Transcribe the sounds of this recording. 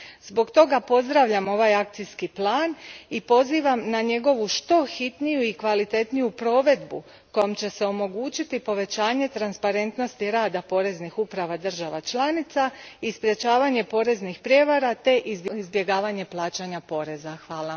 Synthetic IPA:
z̥bo̞ɡt̪o̞ɡapo̞zd̪ɾaʋʎamo̞ʋajak̚t̪siskiplaːnipo̞ziːʋamnaɲe̞ɡo̞ʋuʃt̪o̞xit̪nijuikʋalit̪e̞t̪nijupɾo̞ːʋe̞d̪bṵ | ko̞jomt͡ɕe̞se̞o̞mo̞ɡuːt͡ɕit̪ipo̞ʋe̞t͡ɕaːɲe̞t̪ɾanspaɾe̞nt̪no̞st̪iɾaːd̪apo̞ɾe̞znixupɾaʋad̪ər̩ʒaʋat͡ʃlanit̪saispɾje̞t͡ɕaːʋaɲe̞po̞ːɾe̞znixpɾje̞ʋaɾat̪e̞ʔizizbje̞ɡaːʋaɲe̞plˠaːt͡ɕaɲapo̞ːɾe̞zaxʋaːla

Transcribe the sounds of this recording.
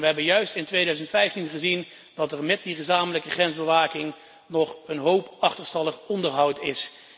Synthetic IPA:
ʋəɦɛbənjœɥstɪntʋejdœɥzəntfɛjftinχəzin | d̥ɑtɛɹmɛt̚diχəzaːmələkəχrɛnzbəʋaːkɪŋ | nɔχənɦowpɑχtəɹstɑləχɔndəɹɦɑwtɪs

